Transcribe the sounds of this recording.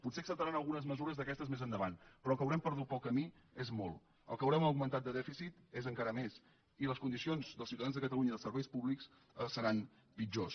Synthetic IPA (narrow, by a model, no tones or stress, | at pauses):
put̪seəksəpt̪əɾanəlˠɣunəzməzuɾəzðəkɛst̪əzmezənd̪əβanpɾɔəlˠkəwɾɛmpəɾð̞ut̪̚pəlˠkəmi | ezmɔlˠ | əlˠkəwɾɛməwɡmənt̪at̪̚d̪əðɛfisit̪ezəŋkaɾəmes | iləskund̪isionzðəlˠsiuwt̪əðanzðəkət̪əluɲəiðəlˠsəɾβɛjspuβliks | əsəɾan | pid͡ʒos